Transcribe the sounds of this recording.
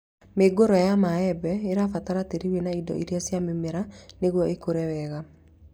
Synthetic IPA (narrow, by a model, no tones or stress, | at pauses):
meɡoɾɔjamaɛbɛeɾafataɾateɾiwenaidɔ̰ʔiɾjasjamimeɾaneɣwɔʔekoɾɛwɛɣa